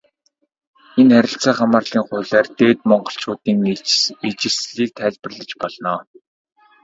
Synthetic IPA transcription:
enχæɾʲɪ̆ɬt͡sæːχamaːrɮiːŋχʊːɮæːrt̪eːt̪mɔɴɢɞ̆ɬt͡ɕʊːt̪iːŋiit͡ɕɪ̆rsɮiːk̚t̪ʰæːɮʲpɘ̆rɮə̆t͡ɕpɔɮnɔː

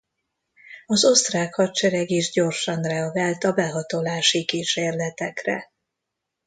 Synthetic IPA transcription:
ɒzo̞st̪raːkhɒt̪t͡ʃɛɾɛɡiʒɟo̞rʃɒnrɛɒɡaːlt̪ɒbɛɦɒt̪olaːʃikiʃeːrlɛt̪ɛkrɛ̰

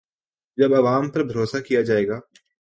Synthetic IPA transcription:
d͡ʒɐbɐʋaːmpɐɾbʱɐɾoːsakijad͡ʒaːeːɡaː

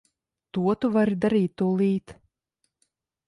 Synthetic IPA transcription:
t̪uɔt̪uvaɾid̪aɾiːt̪ːulˠiːt̪

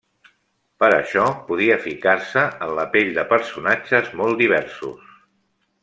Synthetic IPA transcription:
pəɾə̰ʃɔpuð̞iəfikaɾsəʔənləpeʎd̪əpəɾsunad͡ʒəzmɔlˠd̪iβ̞ɛɾsṵs

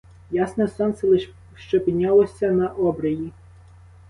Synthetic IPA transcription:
jasnɛsɔnsɛlˠɪʃ | ʃt͡ʃɔpʲinʲalˠɔsʲɐnɐʔɔbɾɐji

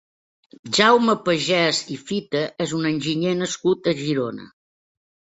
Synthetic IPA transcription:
ʒawməpəʒɛzifit̪əʔezunənʲʒiɲenəskut̪əʒiɾonə̰

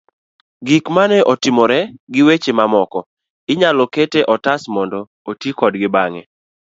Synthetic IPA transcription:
ɡikmanɛʔɔtɪmɔɾɛɡɪwet͡ʃemamɔkɔ | ɪɲalɔketeʔɔtasmɔndɔ | otikɔdɡɪbaŋɛ̰

